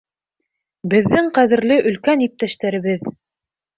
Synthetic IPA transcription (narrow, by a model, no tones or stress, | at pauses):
bɘ̆ðːɘŋqæðɘ̆ɾlɘʔɵ̆lkænip̚t̪æʃt̪æɾɘ̆βɘð